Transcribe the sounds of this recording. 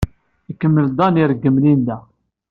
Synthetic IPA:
ikːəmːəld̪ˤɑniɾɡːəmlind̪æ

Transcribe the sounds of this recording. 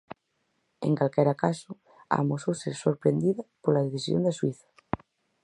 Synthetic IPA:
ḛŋkalkɛɾakasʊ | a̰mososeɾsoɾpɾend̪iðɐpolaðeθisjo̰nd̪aswiθɐ̥

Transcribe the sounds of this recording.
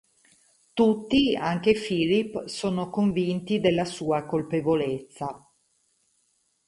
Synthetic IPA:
t̪ut̪ːiaŋk̟efiːlipːsoːnokoɱvint̪id̪elːasuːakolpevolet̪sːa

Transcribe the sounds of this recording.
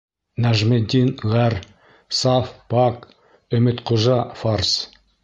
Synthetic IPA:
næʒmɘd̪ʲinʁær | sɑfpɑk | ɵ̆mɘt̪qoʒɑfars

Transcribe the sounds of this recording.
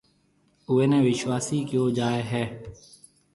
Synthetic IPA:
ʊʋeːnẽːʋɪʃʋaːsiːkjoːd͡ʒaːeːɦɛː

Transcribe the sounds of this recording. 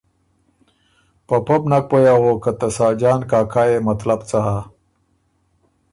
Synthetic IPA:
pɐpɐbnɐk̚pojawoːkɐt̪ɐsaːd͡ʑaːnkaːkʰaːemɐt̪lɐbt͡saɦaː

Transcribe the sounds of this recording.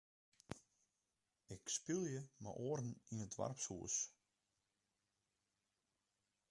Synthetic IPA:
ɪkspilˠjəma̰ʔoəɾn̩inətʋa̰rpshuəs

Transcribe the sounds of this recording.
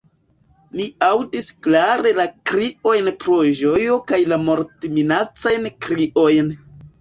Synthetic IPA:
niawdisklaɾe̞lakɾio̞jnpɾo̞ʒo̞jo̞kajlamo̞ɾtiminat͡sajnkɾiʔo̞jn

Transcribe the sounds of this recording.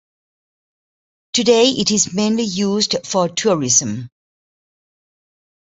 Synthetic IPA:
tʰɨdeɪʔɪɾɪzmẽɪ̃nlijuːzdfətʰuɹɪzə̃m

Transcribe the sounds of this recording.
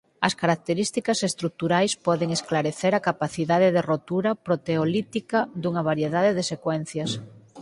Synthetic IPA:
ɐskaɾak̚t̪eɾist̪ikɐsest̪ɾuk̚t̪uɾajspɔðeŋesklaɾeθeɾakapaθiðaðeðerot̪uɾɐpɾot̪eolit̪ikɐd̪uŋɐβaɾjeðaðeðesekwɛn̟θjɐs

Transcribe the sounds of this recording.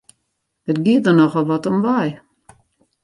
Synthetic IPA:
dətɡiət̚dərnɔxɔlˠʋɔtɔmʋaj

